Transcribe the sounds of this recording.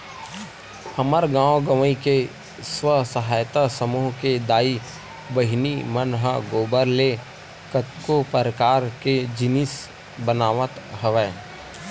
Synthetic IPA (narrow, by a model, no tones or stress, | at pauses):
hɐməɾɡãːwɡəʋəĩke | swəsəɦaːjt̪asəmuːɦked̪aːi | bəɦnimənɦəɡoːbəɾle | kət̪kopəɾəkaːɾked͡ʒɪnɪs | bənaːʋət̪ɦəʋɛː